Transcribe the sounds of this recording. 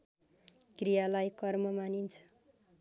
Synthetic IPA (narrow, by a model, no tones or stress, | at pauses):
krijalajkʌrmʌmanint͡sʰʌ̥